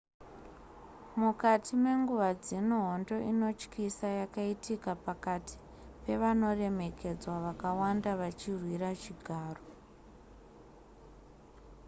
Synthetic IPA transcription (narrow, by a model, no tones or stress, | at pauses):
mukatʰime̞ŋɡuʋad͡zenoɦondo̞ʔino̞t͡ʃkisajakaitʰikapakatʰi̥ | pe̞ʋano̞re̞me̞ke̞d͡zwaʋakawandaʋat͡ʃirwiɾat͡ʃiɡʱaːro